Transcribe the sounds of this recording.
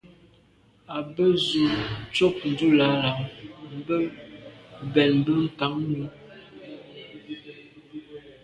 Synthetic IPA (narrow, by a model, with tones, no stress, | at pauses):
a˨bə˦zu˨t͡ʃo˦k̚n̩˨du˦la˨˦la˨˦mm̩˨bə˦ | bɛ˨nm̩˨˦bə˦ŋ̩˨ka˨˦ŋ˦nu˦